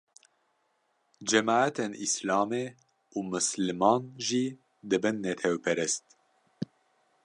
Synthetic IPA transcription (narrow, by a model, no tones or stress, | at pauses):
d͡ʒɛmɑːæt̪ʰenʔislɑːmeː | uːmɨslɨmɑːnʒiː | d̪ɨbɨnːɛt̪ʰɛwpʰɛɾɛst̪